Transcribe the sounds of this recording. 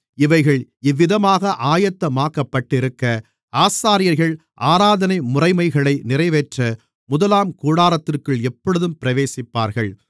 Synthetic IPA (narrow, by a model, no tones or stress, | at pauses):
ɪʋɐɪɣɐɭɪʋːɪðɐmaːɣɐʔaːjɐt̪ːɐmaːkɐpːɐʈːɪɾɯkːɐ | ʔaːsaːɾɪjɐɾɣɐɭ | ʔaːɾaːðɐnɐɪmʊrɐɪmɐɪɣɐɭɐɪnɪrɐɪʋeːʈrɐ | mʊðɐlaːmkuːɽaːɾɐt̪ːɪrkɯɭɛpːɐɽɯðɯmpɪɾɐʋeːsɪpːaːɾɣɐɭ